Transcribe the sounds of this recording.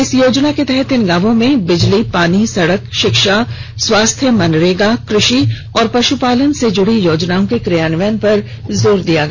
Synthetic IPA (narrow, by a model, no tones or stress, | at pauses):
ɪsjoːd͡ʒnaket̪ɛɦɛt̪ɪnɡãːʋõmẽbɪd͡ʒlipaːnisɐɽəkʃɪkʃaswaːst̪ʰjəmɐnɾeːɡakɾɪʃi | ɔːɾpɐʃupaːlənsed͡ʒʊɽijoːd͡ʒnaːõkekɾɪjaːnʋənpɐɾ | zoːɾd̪ijaɡaː